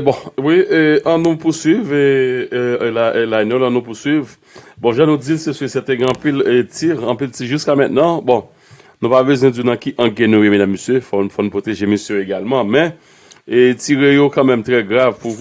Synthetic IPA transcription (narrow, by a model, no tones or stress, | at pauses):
bɔ̃wiøʔãnũpuswivø | lalanjõlãnũpuswiv | bɔ̃ʒãnũd͡zilsesøsɛt̪eɡɛ̃ãpilt͡siʁɐ̃piltiʒyskamɛ̃t̪̚nãbɔ̃ | nũpabøzwɛ̃d͡zunãkiʔɐ̃ɡɛ̃nũjemɛ̃d̪amːøsjøfɔfɔnũpot̪eʒemisjøjoeɡalmãmɛ̃ | t͡siʁejokãmɛ̃mt̪ʁɛɡʁavpu